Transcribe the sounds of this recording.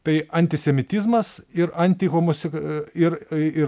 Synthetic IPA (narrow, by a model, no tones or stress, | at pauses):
t̪ɐɪɐnʲt̪ʲɪsʲɛmʲɪt̪ʲɪzmɐsɪɾɐnʲt̪ʲɪɣomosʲɪɪɾɪ